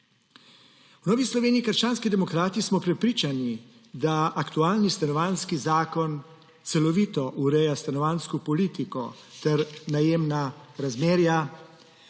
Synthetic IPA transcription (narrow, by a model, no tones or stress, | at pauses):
wnɔːʋislɔʋeːniːkəɾʃt͡ʃaːnskid̪ɛmɔkɾaːt̪ismɔpɾɛpɾiːt͡ʃani | d̪aakt̪uaːlnist̪anɔʋaːnskizaːkɔn | t̪sɛlɔʋiːt̪ɔʔuɾɛjast̪anɔʋaːnskɔpɔliːt̪ikɔ | t̪ɛɾnajeːmnaɾazmeːɾja